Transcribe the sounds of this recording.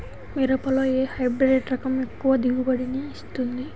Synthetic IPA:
miɾɐpɐloːeːhɐjbɾeːʈɾɐkɐmekːuʋɐd̪iɡubɐɽiniːst̪und̪i

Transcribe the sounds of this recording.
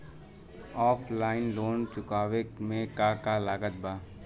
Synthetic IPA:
ɔːflaːɪnloːnt͡ʃʊkaːʋekmẽkakalaːɡət̪̚baː

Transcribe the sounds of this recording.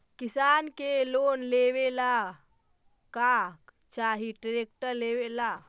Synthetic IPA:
kisankelonlewela | kak | t͡ʃaɦiʈɾek̚ʈəɾlewela

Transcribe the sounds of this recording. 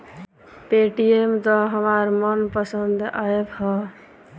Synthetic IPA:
peʈiemt̪ɔɦəmaɾmənpəsənd̪ʱaebhɔ

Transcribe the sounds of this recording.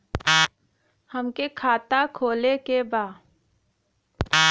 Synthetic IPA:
həmkekʰaːt̪akʰoːlekebaː

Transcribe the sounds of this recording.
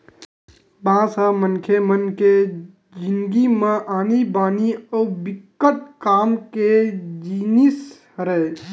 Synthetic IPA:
bãːsamənkʰemənke | d͡ʒinɡimãʔaːnibaːniəbɪkːəʈ̪̚kaːmked͡ʒinis | ɾəe

